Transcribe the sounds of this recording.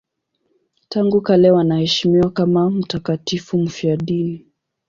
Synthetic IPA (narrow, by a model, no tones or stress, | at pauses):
taŋɡukalɛwanahɛʃimiwakamam̩takatifum̩fiaɗini